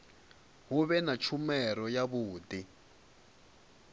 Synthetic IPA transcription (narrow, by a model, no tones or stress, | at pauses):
ɦuβɛnat͡ʃʰumɛɾɔjaβuːdi